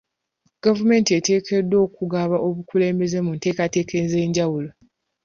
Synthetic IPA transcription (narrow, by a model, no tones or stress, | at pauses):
ɡ̥avume̞ːntiete̞ːkʰe̞dːo̞ːkuɡaβaʔo̞βukule̞ːmbe̞ze̞munte̞ːkate̞ːkʰeze̞ːɲɟawulo